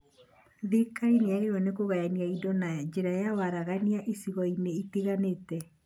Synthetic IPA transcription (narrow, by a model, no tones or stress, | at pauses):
ðikaineaɾeɔnekoɣajaniaidɔnad͡ʑeɾajawaɾaɣaniaʔisiɣɔineitiɣanetɛ